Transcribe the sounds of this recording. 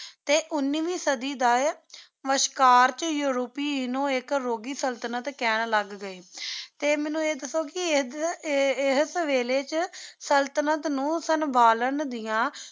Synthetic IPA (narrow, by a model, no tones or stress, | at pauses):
t̪eːʔʊnːiːʋiːsəd̪iːd̪aː | ʋəʃkaːɾt͡ʃjuːɾoːpiːnõːɪkɾoːɡiːsəlt̪ənət̪kɛːnləɡːəeːt̪eːmɛ̃ːnũːeːd̪əsoːkɪ | ɪɦsʋeːleːt͡ʃsəlt̪nət̪nũːsənbʱaːlənd̪ɪjãː